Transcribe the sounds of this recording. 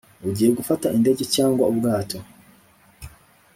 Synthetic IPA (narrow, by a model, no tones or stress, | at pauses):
uɟiːjeɡufataʔinde̞ɟe̞caːŋɡwaubɡaːtʰo̞